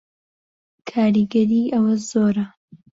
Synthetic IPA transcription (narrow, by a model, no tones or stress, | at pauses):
kʰaːɾiɡɐɾiːʔɐwɐzoːɾɐ